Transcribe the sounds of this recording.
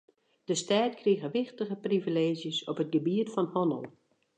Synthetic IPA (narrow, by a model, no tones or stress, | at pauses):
d̥əstaːtkʰriəɣəʋɪxtəɣəprivileːzjəsɔpət̚ɡəbiətfɔnhɔnə̰lˠ